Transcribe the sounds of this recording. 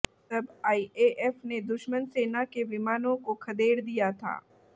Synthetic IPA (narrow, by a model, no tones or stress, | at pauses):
t̪ɐbaːieːʔɛfned̪ʊʃmənseːnakeʋɪmaːnõkokʰɐd̪eːɾd̪ijat̪ʰa̰ː